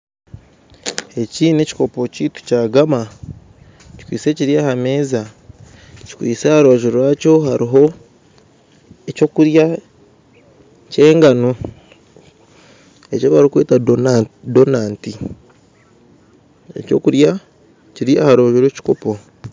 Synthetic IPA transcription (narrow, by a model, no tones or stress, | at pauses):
e̞ciːne̞ci̥ko̞po̞ciːtu̥caːɡama | ci̥kwḭːse̞ciɾiahame̞ːza | ci̥kwḭːsehaɾoβaʒuɾaːco̞ɦaɾiɦo̞ | eco̞kuɾja | ce̞ːŋɡano | e̞coβaɾikweːta | donaːnti | e̞̰co̞̰ːkuɾja | ciɾiʔahaɾoβaʒuɾweːci̥ko̞po̞